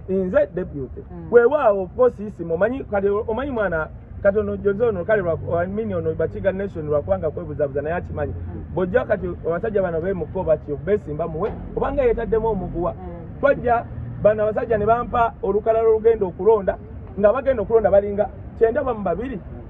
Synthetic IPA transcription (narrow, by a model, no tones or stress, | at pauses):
inzɛdebjutɛwɛwawɔkɔsisimɔmaɲikaliɔmaɲimwaːna | kat̬ɔnɔɟɔzɔnɔkaliɾwaaminiɔnɔβat͡ʃiɡaneʃɔniɾwakuwaŋɡakwɛβuzaβuzanajat͡ʃimaɲibɔɟakat̬iaβasaɟaβanaβɛmukɔβat͡ʃiβɛsiːmbamuwɛ | ɔβaŋɡajɛtadɛmɔmuɡuwa | twaɟaβanaβas̬aɟaniβampaolukalaloluɡɛːndokuɾɔnda | ŋɡaβaɡɛndokulɔndaβaliŋɡa | t͡ʃɛːndaβamubaβiɾi